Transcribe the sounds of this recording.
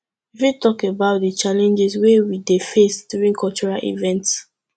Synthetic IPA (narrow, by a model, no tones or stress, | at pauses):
ifĩtɔkebaʊt̚dit͡ʃalɛ̃nd͡ʒɛswewidefesdjuɹĩnkʰɔlt͡ʃuɹalʔḭvɛ̃nts